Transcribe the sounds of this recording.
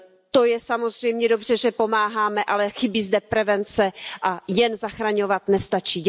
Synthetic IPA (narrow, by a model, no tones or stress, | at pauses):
t̪ojɛsamo̞zr̝̥ɛjmɲɛdo̞br̝̥ɛʒɛpo̞maːɦaːmɛʔalɛxɪbiːzdɛpɾɛvɛnt͡sɛʔajɛnzaxɾaɲo̞vat̪nɛst̪at͡ʃi